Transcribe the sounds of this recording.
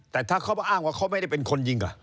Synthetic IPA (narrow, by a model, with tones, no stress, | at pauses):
t̪ɛː˨˩t̪ʰaː˥˩kʰa˦˥˩wba˧ʔaː˥˩ŋwaː˥˩kʰa˦˥wma˥˩jda˥˩jpe˧nkʰo˧nji˧ŋka̰˨˩